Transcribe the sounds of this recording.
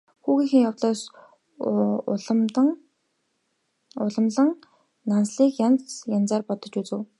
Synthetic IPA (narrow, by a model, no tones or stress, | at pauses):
xuːɣiːŋxɘ̆ŋjawt̪ɮɔːs | ɮm̆ŋ | ʊɮə̆mɮə̆ŋ | nansɮiːkjant͡sjant͡saːrpɔt̪ɞ̆t͡ɕut͡sɘ̆w